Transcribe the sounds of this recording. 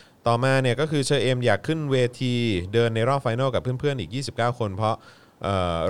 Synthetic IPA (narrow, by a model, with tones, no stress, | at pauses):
t̪ɔː˨˩maː˧ni˧˥˩əkɔː˥˩kʰɯː˧t͡ɕʰɤː˧ʔeː˧mjaː˨˩kʰːɯ˥˩nweː˧t̪ʰiː˧dɤː˧nːa˧jɾɔː˥˩p̚fa˧jnɤː˥˩wka˨˩pʰːɯ˥˩ə˨npʰɯ˥˩ənʔiː˨˩k̚jiː˥˩si˨˩p̚kaː˥˩wkʰo˧npʰɾɔ˦˥ʔ | ʔɤː˨˩